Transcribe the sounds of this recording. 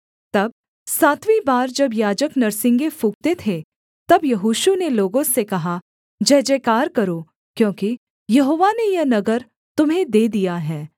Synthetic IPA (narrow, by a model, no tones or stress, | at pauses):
t̪ɐb̚ | saːt̪wibaːɾd͡ʒɐbjaːd͡ʒəknɐɾsɪ̃ŋɡefuːk̚t̪et̪ʰe | t̪ɐbjɐɦuːʃuneloːɡõsekɐɦa | d͡ʒɐːd͡ʒeːkaːɾkɐɾoː | kjõːki | jɐɦoːʋanejɐnɐɡəɾ | t̪ʊmɦẽd̪eːd̪ijaɦɛː